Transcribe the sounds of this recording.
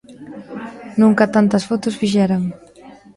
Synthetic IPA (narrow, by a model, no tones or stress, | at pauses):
nũŋkɐt̪ant̪ɐsfɔt̪ʊsfiʃɛɾaŋ